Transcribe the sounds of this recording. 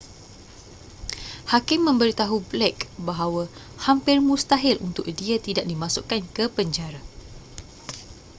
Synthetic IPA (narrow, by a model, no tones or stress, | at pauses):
hakɪmːə̃mbəɾit̪aɦublɛkbaɦawa | hampɪrmũst̪aɦɪlʔṵnt̪ʊk̚diat̪idaʔ̚dimãsʊkːankəpəɲd͡ʒaɾa